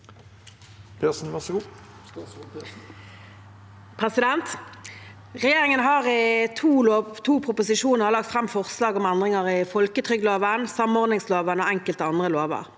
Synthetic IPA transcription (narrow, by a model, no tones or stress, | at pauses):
pʰesn̩ʋæʁsəɡuː | pʰʁɛsɪd̪ɛnt̪ | ʁɛjeːʁɪŋənɦɑʁt̪ʰuːloːt̪ʰuːpʰʁʊpʊsɪʂuːnəʁəʁlɑk̚t̪fʁɛmfɔʁslɑːɡɔmænd̪ʁɪŋəʁɪfɔlkət̪ʰʁʏɡloːʋənsɑmɔʁd̪nɪŋsloːʋənəoɛŋkəlt̪əɑnd̪ʁəloːʋə̰ʁ